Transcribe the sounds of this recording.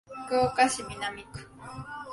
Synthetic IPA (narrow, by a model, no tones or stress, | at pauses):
koːkasɪmɪnamɪkʊ̥